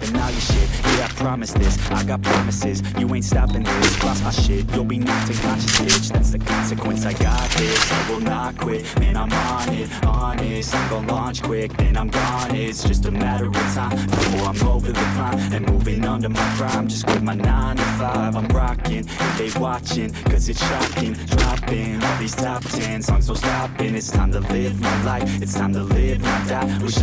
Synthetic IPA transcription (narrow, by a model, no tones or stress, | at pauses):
ɨ̃nːaʊjɨʃɪd̚jɨɡapʰɹ̥ɑmɨsðɪsaɪɡɑt̚pʰɹ̥ɑmɨsɪzjɨwẽɪ̃ntstɑpɨ̃nðɪsɑsmaɪʃɪt̚jəl̩ˠbinʌθɪ̃ŋmat͡ʃɨsɪt͡ʃðætsðɨkʰɑ̃nsɨkʰwɨ̃nsaɪɡɑt̪̚ðɪsaɪwonɑkʰw̥ɪkðɨ̃ñãɪ̃mɑnɪt̚ɑnɪsaɡoʊ̃lɑ̃nt͡ʃkʰw̥ɪk̚ðɨ̃nãɪ̃mɡɔ̃nɪsd̥ʒ̥ʌstɨmæɾə˞ə˞wʌtʰãɪ̃m̥əfɔɹãɪ̃mɡoʊvɹɨðɨkʰãnɨ̃nmuvɪ̃ŋʌ̃ndə˞maɪɡɹãmd͡ʒʌsw̥ɪd̚maɪnãɪ̃nɨfaɪvãɪ̃mɹɑkɪ̃ŋɨ̃nðeɪwɑt͡ʃɪ̃ŋkʰʌzɨtsʃɑkɪ̃ŋd̥ɹɑpɪ̃ŋʌðiz̥tʰʌftʰɛ̃nsɔ̃ŋzwəlˠstɑpɪ̃ŋɨtstʰãɪ̃mtʰəlɪvmaɪlaɪfɨtstʰãɪ̃mtʰəlɪvãɪdæwi